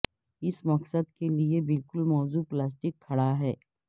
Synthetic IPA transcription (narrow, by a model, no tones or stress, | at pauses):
ɪsmɐksəd̪keliebɪlkʊlmɔːzuːplaːs̬ʈɪkʰːɐɽaɦɛː